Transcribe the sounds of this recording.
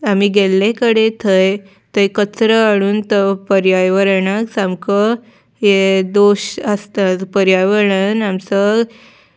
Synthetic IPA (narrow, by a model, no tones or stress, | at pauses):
amiɡelːẽkəɽet̪ʰəj | t̪əjkət͡sɾəaɽ̃uːnt̪əpəɾjajʋəɾɳaksãmkə | jed̪oɕəst̪at̪pəɾjajʋəɾɳənamsə